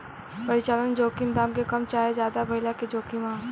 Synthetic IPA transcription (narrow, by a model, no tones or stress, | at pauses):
pəɾɪt͡ʃaːlənd͡ʒoːkimd̪aːmkekəmt͡ʃaːed͡ʒjaːd̪abʱəɪlaked͡ʒoːkimã